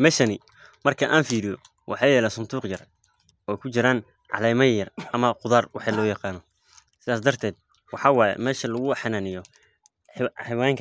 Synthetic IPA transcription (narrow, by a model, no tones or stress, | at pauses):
mɛːʃɐnɪ | mɐrkʰɐʔaːnfiːɾɪjɔ | wʔɑ̰ħɑjɛːlɛːsʊnd̪uːqjɐr | ɔːɛjkʰʊt͡ʃɪɾaːn | ʕɑ̰lɛjmɐjɐrʔɐmɐqʊðaːrwɑħɑlɔːjɑqɑːnɔ | sɪðaːs̬d̪ɐrt̪ʰɛːd̪̚ | wɑħɑːwɑːjɛ̰mɛːʃɐlɐɣʊħɑnanɪjɔ | ħɪwaːŋkʰ